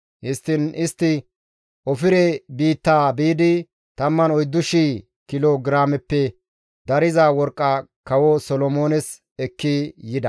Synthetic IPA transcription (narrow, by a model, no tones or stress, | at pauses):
hɪst̪ːɪnɪst̪ːɪ | ʔɔfɪɾɛbiːt̪ːaːbiːd̪ɪ | t̪ɐmːɐnɔjd̪ːʊʃiː | kɪloɡɾaːmɛpːɛ | d̪ɐɾɪzaːwɔɾkʼːɐkɐwɔsɔlɔmo̞ːnɛs | ɛkːijɪd̪ɐ